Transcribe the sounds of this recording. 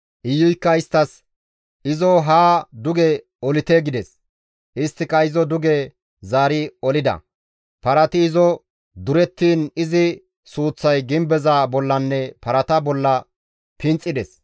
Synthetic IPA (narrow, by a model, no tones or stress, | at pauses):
ʔɪjːʊjkːɐɪst̪ːɐs | ʔɪzɔɦaːd̪ʊɡe | ɔlɪt̪eɡɪd̪ɛs | ʔɪst̪ːɪkɐɪzɔd̪ʊɡe | zaːɾɪɔlɪd̪ɐ̰ | pɐɾɐt̪ɪːzɔ | d̪ʊɾɛt̪ːiːnɪzɪ | suːt͡sːɐjɡɪmbɛzaːbɔlːɐnːɛpɐɾɐt̪ɐbɔlːɐ | pɪnt͡sʼɪd̪ɛs